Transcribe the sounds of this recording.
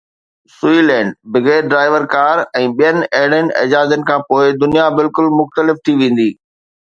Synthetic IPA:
sʊiːlɛ̃ːɳɖbɪɡeːɖɾaːɪʋəɾkaːɾɛ̃ːɓijənɪ̆ɐɛɦɪɽənɪ̆ɐ̰d͡ʑaːd͡ʑənɪ̆kʰãːpoːɪd̪ʊnijabɪlkʊlmʊxt̪əlɪft̪ʰiʋẽːn̆d̪iː

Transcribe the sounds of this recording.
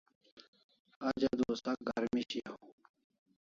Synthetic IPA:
ad͡ʑad̪oːst̪akɡa̰ɾmiɕia

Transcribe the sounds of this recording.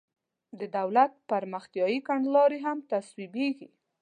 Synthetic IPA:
d̪əd̪awlat̪̚paɾməxt̪jɑjikaɳɖlɑɾeɦamt̪aswibeɡi

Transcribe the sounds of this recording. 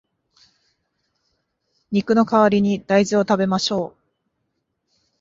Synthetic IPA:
ɲ̟ikɯ̟no̞kaβaɾʲiɲ̟id̪̥aizio̞t̪abe̞maɕo̞ː

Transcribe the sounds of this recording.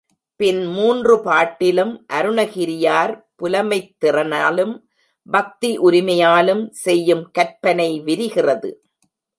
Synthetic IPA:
pɪnmuːndrɯpaːʈːɪlɯmʔɐɾɯɳɐɣɪɾɪjaːɾpʊlɐmɐɪt̪ːɪrɐnaːlɯm | bɐk̚t̪iʔʊɾɪmɐjaːlɯmsɛjːɯmkɐɾpɐnɐɪʋɪɾɪɣɪrɐðɯ̰

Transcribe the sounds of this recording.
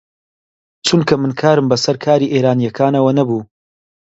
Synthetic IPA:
t͡ʃʰunkʰɐmɨnkʰaːɾɨmbɐsɐɾkʰaːɾiːʔeːɾaːnijɐkʰaːnɐwɐnɐbuː

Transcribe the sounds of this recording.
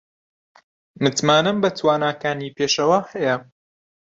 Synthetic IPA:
mɨt̪maːnɐmbɐt̪ʰwaːnaːkaːniːpʰeːʃɐwaːhɛjɛ

